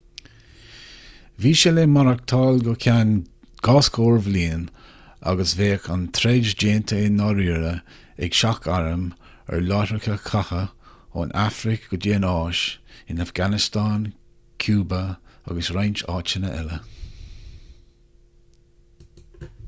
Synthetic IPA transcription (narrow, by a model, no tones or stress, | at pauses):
viːʃɛleːmaɾak̚t̪ʰɑːlɡɔkʰan | ɡ̥ɑːskʰoːɹvliːn | a̰ɡəsveːkʰant̪ʰɾɛd͡ʒd͡ʒeːnt̪ʰəɪnɔɾiːɾə | ɛ̰ɡʃakʰaɹəm | ɛ̰ɹlɑːtɾkʰəkʰahəo̰nʔafɾɪkɡ̥əd͡ʒeːnɑːʃɪnafɡanɪst̪ɑːn | kʰjuːbəa̰ɡəsɾajnt͡ʃɑːt͡ʃənəʔɛlə